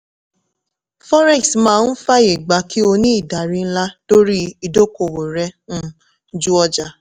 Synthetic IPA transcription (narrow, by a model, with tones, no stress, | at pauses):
fɔ˦ɾɛ̃˦˨smãː˦n̩˦fa˦e˨ɡ͡ba˨˦ki˦o˧nĩ˦i˦˨da˨ɾi˦n̩˦la˦to˦ɾi˦i˧do˦ko˧˨wo˨ɾɛ˧nũ˦ | d͡ʒu˦ɔ˧d͡ʒa˨